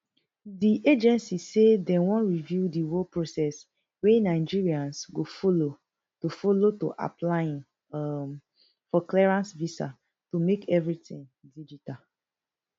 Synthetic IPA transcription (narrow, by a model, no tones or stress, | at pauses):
diʔed͡ʒɛ̃nsisedɛ̃wɔ̃nɹivjudiwopɹosɛs | wenaɪd͡ʒiɹiãnsɡofolo | tofoloto̰ʔa̰plajĩn | fɔklɛɹãnsvisa̰ | tumekʰɛvɹitĩŋdid͡ʒita